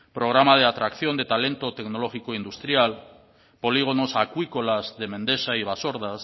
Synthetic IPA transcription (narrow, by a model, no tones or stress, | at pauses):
pɾoɣ̞ɾamað̞eat̪ɾakθjond̪et̪alent̪ot̪eknoloxikoind̪ust̪ɾjal | poliɣ̞onosakwikolazðemẽnd̪esaiβ̞asoɾðas